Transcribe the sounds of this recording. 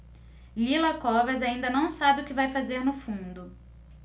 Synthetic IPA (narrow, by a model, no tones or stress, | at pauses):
lilɐkɔvɐzaĩnd̪ɐnɐ̃w̃sabɪʊkɪvajfazeɾnʊfũnd̪ʊ